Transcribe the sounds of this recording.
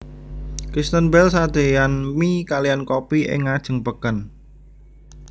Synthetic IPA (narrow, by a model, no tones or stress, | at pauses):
kɾist̪ənbɛlsad̪̥e̤janmikalijankopiʔɪ̰ŋːad̥ʒ̥ə̤ŋpəkən